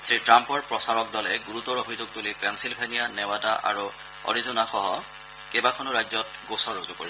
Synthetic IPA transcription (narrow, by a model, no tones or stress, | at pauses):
sɹitɹampɔɹpɹɔsaɹɔk̚dɔlɛɡuɹutɔɹobʱizuɡ̚tulipɛnsilbʱenijanɛwadaʔa̰ɹu | ɔ̰ɹizɔnaxɔɦɔ | kebakʰɔnʊɹajzɔt̚ɡosɔɹozuko̰ɹi